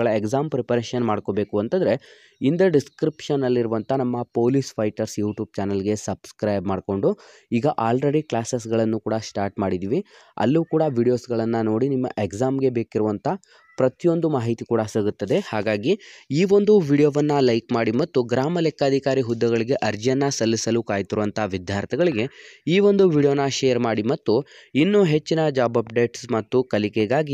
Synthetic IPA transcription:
ɐɭɐekzaːmpɾepɐɾeːʃɐnmaːɽko̞ːbe̞ːkuɐnt̪ɐnd̪ɾe̞ | ind̪ɐɖiskɾipʂɐnːɐlːiɾuʋɐnt̪ʰɐnɐmːɐpoːlispʰɐjʈɐɾsjuːʈjuːb̚t͡ʃaːnɐlɡe̞sɐbskɾɐjbmaːɖko̞ɳɖu | iːɡɐʔaːlɾe̞ɽiklaːses̬ɡɐɭɐnːukuːɽɐsʈaːɾʈmaːɽid̪iːʋi | ɐ̰lːuːkuːɽɐʋiːɽijo̞ːsɡɐɭɐnːɐno̞ːɽinimːɐ̰ʔeɡzaːmɡe̞be̞ːkiɾuʋɐnt̪ʰɐ | pɾɐt̪ijo̞nd̪umaːɦit̪ikuːɽɐsiɡut̪ːɐd̪e̞haːɡaːɡiiːʋo̞nd̪uʋiːɽijoːʋɐnːɐlɐjkmaːɽimɐt̪ːuɡɾaːmɐlɛkːaːd̪ʱikaːɾiɦud̪ːɐɡɐɭiɡe̞ʔɐɾd͡ʒɐnːɐsɐlːisɐlukaːjt̪iɾuʋɐnt̪ʰaʋid̪ʱjaːɾt̪ʰɛɡɐɭiɡe̞iːʋo̞nd̪uʋiɽijoːnɐʃeːɐɾmaːɽimɐt̪ːuinːuɦe̞t͡ʃːinɐd͡ʒaːbɐpɖe̞ːʈsmɐt̪ːukɐlikeɡaːɡi

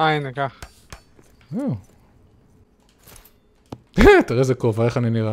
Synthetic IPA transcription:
anekaχ | u | t̪iʁezekovaeχaniniʁa

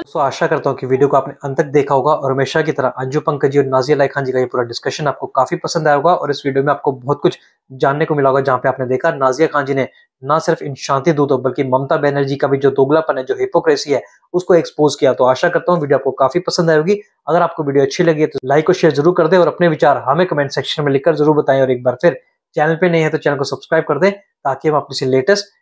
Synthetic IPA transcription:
ʊskoaːʃakɐɾt̪aɦũkiʋiːɖijokoaːpneɐ̃nt̪ək̚ʰd̪eːkʰaɦoːɡaʔɔːɾɦɐmeːʃak̬it̪ɐɾaʔɐ̃ɲd͡ʒupɐ̃ŋkəd͡ʒiɔːɾnaːzijalaːɪkʰãːɲd͡ʒikajepuːɾaɖɪskəʃənaːp̚kokaːfipɐsə̃nd̪aːjaɦoːɡaʔɔ̰ːɾɪsʋiːɖijomẽaːp̚kobɔɦt̪̚kʊt͡ʃʰ | d͡ʒaːnːekomɪlaɦoːɡad͡ʒɐɦãːpeaːpned̪eːkʰanaːzijakʰãːɲd͡ʒine | nasɪɾfɪnʃãːnt̪id̪uːd̪ɦobɐlkimɐmt̪abɛːnəɾd͡ʒikabʱid͡ʒoːd̪oːɡlapɐnɦɛd͡ʒoːɦɪpokɾɛːsiɦɛː | ʊskoeːkspoːzkijat̪oaːʃakɐɾt̪aɦũʋiːɖijoaːp̚kokaːfipɐsə̃nd̪ɦaɛɦoːɡi | ɐɡəɾaːp̚koʋiːɖijoɐtːʃʰilɐɡiɦɛt̪olaːɪkːoʃeːɾzɐɾuːɾkɐɾd̪ẽɔːɾɐpneʋɪt͡ʃaːɾɦɐmẽkɐmɛ̃ːɳʈsɛːkʃənmẽlɪkːəɾzɐɾuːɾbɐt̪aːẽɔːɾeːk̚baːɾpʰɪɾ | t͡ʃɛːnəlpẽnɐɦĩɦɛ̃t̪ot͡ʃɛːnəlkosɐbskɾaːɪb̚kɐɾd̪ẽː | t̪aːkeɦɐ̃maːp̚nisileːʈəsʈ

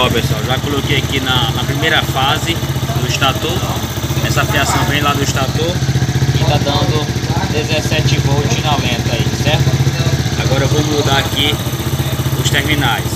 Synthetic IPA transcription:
ɔpesuawʒakolokejakinɐnɐpɾimejɾɐfazɪd̪ʊɪʃt̪at̪uɛsɐafiasɐ̃w̃vẽj̃lad̪ʊɪʃt̪at̪oɪt̪ad̪ɐ̃nd̪ʊd̪ezesɛt͡ʃɪvowt͡ʃinawmẽt̪aisɛɾt̪ʊaɡɔɾɐewvowmɪud̪aaki | ʊst̪eɾmĩnajs

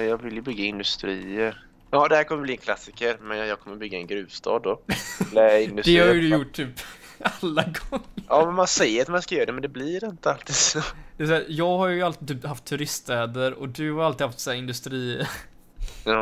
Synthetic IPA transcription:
jɑːɡvɪljɵbʏɡːaɪnd̪ɵst̪ɾiːəɾ | jɑːd̪ɛhæːɾkʰɔməbliːɛnkʰlasːɪkəɾmɛnjjɑːɡkɔmːəɾbʏɡːaɛnɡɾʉːvst̪ʰɑ̰ːd̪ːɔɛləɪnd̪ɵsd̪ɛhaɾjəd̪ɵjʊʈːt̪yːpalːaɡɔŋːɑːmɛnmansɛjəɾat̪manskajøːɾadɛmɛnd̪ɛblɪɾɪnt̪əalt̪ʰiːd̪sod̪̥ɛɛsæːɾjɑːɡhaɾjjalt̪ɪt̪ʰyːphaft̪ʰːʉɾɪst̪ɛːd̪əɾɔd̪ɵhaɾalt̪ɪːhaft̪sææːɾɪnd̪ɵst̪ɾiː | jɑː

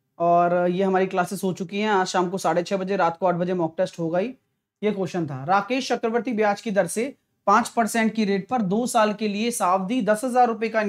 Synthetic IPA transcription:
ɔːɾjeɦɐmaːɾiklaːsɪsɦot͡ʃʊkiɦɛ̃aːd͡ʒʃaːmkosaːɽet͡ʃʰɛːbɐd͡ʒeɾaːt̪ʰkoaːʈ̚ʰbɐd͡ʒemɔːk̚ʈəsʈɦoɡɐiː | jekoːʃənt̪ʰa̰ːɾaːkeːʃt͡ʃɐkɾəʋəɾt̪ibjaːt͡ʃkid̪ɐɾse | pãːt͡ʃpɐɾsɛ̃ːɳʈkiɾeːʈ̚pɐɾd̪oːsaːlkeliesaːʋd̪id̪ɐsɦɐzaːɾːʊpeka

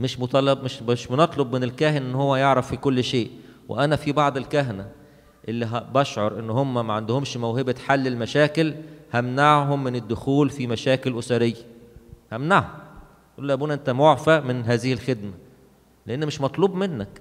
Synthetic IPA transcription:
meʃmot̪ˤɑlbmeʃeʃmnɑt̪ˤlobmenelkæːhenʔenːhowːæjeʕɾˤɑfːikolːʃeːʔwḛʔænæfibɑʕd̪ˤelkæɦnæ | ʔelːiɦbɑʃʕoɾˤʔenːhomːæmæʕand̪ohomʃmæwhebæħalːelmæʃæːkelhæmnaʕɦomːɪned̪ːʊxuːlfimæʃæːkelʔosæɾejːæhæmnaʕhom | ʔuːlːæʔæbuːnæʔent̪æmoʕfæmɪnɦæːzɪhilxed̪mæ | leʔenːmeʃmɑt̪ˤluːbmenːæk

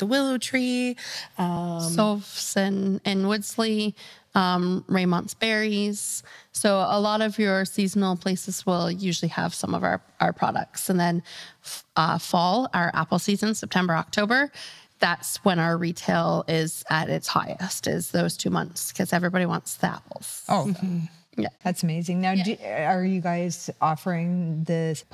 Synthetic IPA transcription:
ðəwɪlˠoʊtʰɹ̥i | ʌsɔfsɨ̃nɪ̃nwʊdz̥liʌ̃mɹẽɪ̃mɑ̃ntsb̥ɛɹiz̥soʊəlɔɾʌvjə˞sizn̩l̩ˠpʰl̥eɪsɨz̥wɪlˠjʉʒl̩ˠiə̰v̥sʌ̃mʌ̰va̰ʊə˞ʔaʊə̰˞pʰɹ̥ɑ̰ɾə̰k̚tsɨ̃nðɨ̃n | ʔʌ̰fɔlˠa̰ʊə˞ʔæ̰pl̩ˠsizɨ̃nsɛp̚tʰɛ̃mbə˞ɑk̚tʰoʊbə˞ðætswə̃ñaʊə˞ɹitʰeɪlˠɪzɨɾɪ̰tsha̰ɪɨ̰stɪ̰z̥ðoʊz̥tʰʉmʌ̰̃nθskʰʌzɛvɹibɑɾiwɑ̰̃ntsðiæ̰pl̩ˠz̥o | jæ̰ðætsəmeɪzɪ̃ŋnaʊə˞jɨɡaɪz̥ʔɔfə˞ɪ̃ŋðɪs

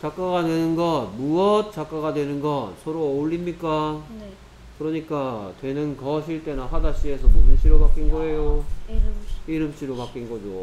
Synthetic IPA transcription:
t͡ɕak͈aɡadwenɯnɡʌnmuʌt̚t͡ɕ͈ak͈aɡadwe̞nɯnɡʌnsʰʌɾoːʎːimɲik͈a | kɯɾʌɲik͈atwe̞nɯnkʌɕʰiɭt͈e̞naɦadaɕ͈ie̞sʰʌputʰɯɕʰiɾokak͈inɡʌe̞jo | iɾɯmɕ͈ʰiɾokak͈inɡʌd͡ʑo

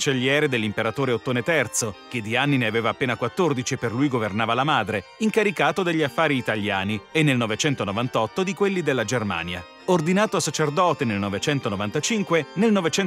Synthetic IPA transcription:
t͡ʃeʎːjɛːɾed̪elːimpeɾat̪oːɾeot̪ːoːnet̪ɛrt̪sok̟ed̪ːianːineaveːvaːpːeːnakwat̪ːord̪it͡ʃieperlujɡovernaːvalamaːd̪ɾeiŋkaɾikaːt̪od̪eʎːiafːaːɾiːt̪aljaːnienːelnɔvet͡ʃɛnt̪onovant̪ɔt̪ːod̪ikwelːid̪elːad͡ʒerma̰ːnja̰ | ord̪inaːt̪oasːat͡ʃerd̪ɔːt̪enelnovet͡ʃɛnt̪onovant̪at͡ʃiŋkwenelnɔvet͡ʃɛ

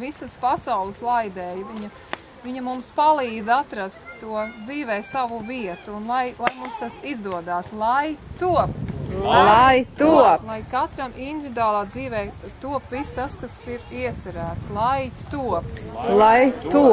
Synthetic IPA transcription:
visəspasawlˠəslˠajd̪ɛːjviɲɐ | viɲɐmumspalˠiːdzat̪ɾast̪ːuɔd̪ziːvɛːsavuviɛt̪unlˠajlˠajmumst̪asizd̪uɔd̪aːslˠajt̪uɔplˠajt̪ulˠajkat̪ɾamind̪ivid̪uaːlˠaːd̪ziːvɛːt̪uɔpvist̪askasiɾiɛt̪sɛɾæːt̪slˠajt̪uɔplˠajt̪u

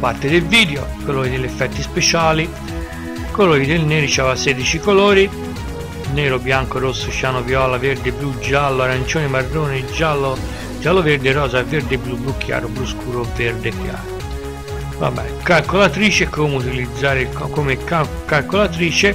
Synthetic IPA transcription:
part̪ɪd̪elviːd̪jokoloːɾid̪ɪlːɛfːɛt̪ːispet͡ʃaːli | koloːɾid̪elneːɾit͡ʃɛvasɛd̪it͡ʃikoloːɾi | neːɾobjaŋkoɾosːoʃjaːnovjɔːlaveɾd̪eblud͡ʒalːoaɾant͡ʃoːnimarːoːnid͡ʒalːo | d͡ʒaːlːoveɾd̪ɪɾɔːzaveɾd̪ɪblublukʰːja̰ːɾobluskuːɾoveɾd̪efja̰ːɾo | va̰bɛ̰nkalkolat̪ɾiːt͡ʃekomut̪ilid̪zːaːɾɪkɔkomeka | kalkolat̪ɾiːt͡ʃe

